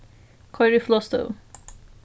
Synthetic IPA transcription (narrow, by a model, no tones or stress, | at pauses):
kʰɔjɾiflɔst̪o̰